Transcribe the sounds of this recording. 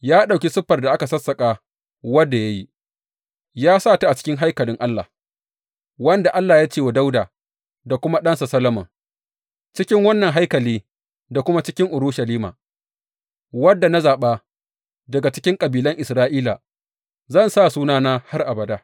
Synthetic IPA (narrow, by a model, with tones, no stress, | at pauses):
jaː˦ɗa˨wkʲi˦sʊ˦ɸɐ˨rda˨ʔa˦ka˨sɐ˦sːɐ˨kʼaː˨ | wɐ˦dːa˨ja˦ji˦ | jaː˦saː˦˨ta˦ʔa˨t͡ʃɪ̥˦kʲɪ˦ŋɦa˦jkɐ˨lɪ˦ŋʔa˦lːa̰˨ | wɐ˦nda˨ʔa˦lːaː˨jaː˦t͡ʃeː˦˨wa˨da˦wdaː˨ | da˨kʷʊ˦ma˦ɗɐ˦nsa˨sɐ˦lɐ˦mɐ̰˨ŋ | t͡ʃɪ˦kʲɪ˦ŋwɐ˦nːɐ˨ŋɦa˦jkɐ˨liː˦ | da˨kʷʊ˦ma˦t͡ʃɪ˦kʲɪ˦ŋʔʊ˨ɾuː˦ʃɐ˨liː˦ma̰ː˨ | wɐ˦dːa˨na˦zaː˨ɓaː˦ | dɐ˨ɡa˨t͡ʃɪ̥˦kʲɪ˦ŋkʼɐ˨biː˨lɐ˦ŋʔɪ˨sɾaː˦ʔiː˦la̰ː˨ | zɐ˦˨nsaː˦˨suː˦naː˦naː˦ha˦rʔa˨bɐ˨daː˦